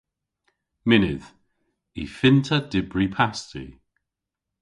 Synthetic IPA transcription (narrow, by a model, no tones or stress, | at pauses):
mɪnɪð̥ | ḭfɪntʰədɪbɹipʰastḭ